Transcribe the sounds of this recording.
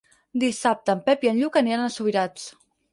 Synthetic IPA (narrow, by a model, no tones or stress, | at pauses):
d̪isap̚t̪əːmpɛpiənʎukanianəsuβiɾat͡s